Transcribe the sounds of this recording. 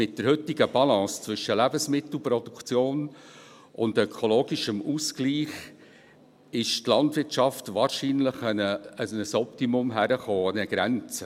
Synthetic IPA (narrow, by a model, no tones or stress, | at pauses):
mɪt̚d̥əɾhʏtːɪɡəb̥ɑlɑ̃ːst͡svʏʃəlæbəsmɪt̪l̩ˠpɾɔd̥ukt͡sjoːn | ʊndœkʰoloːɡiʃəmuskliːχ | ɪʃtlɑntʋɪrtt͡ʃɑftʋɑːɾʃiːnləχənəənəsɔptimʊmɦæɾəχoːɑnəɡ̥ɾænt͡sə